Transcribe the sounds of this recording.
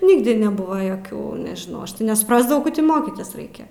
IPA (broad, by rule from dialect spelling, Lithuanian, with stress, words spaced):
ˈnʲɪɡdʲɪ nʲɛˈbʊʋɐ joːˈkʲuː nʲɛʒʲɪˈnɐʊ ɐʃ tɐɪ nʲɛsʊprɐzdɐʋɐʊ koː tʲɪ ˈmoːkʲiːtʲɪs ˈrɐɪkʲɛ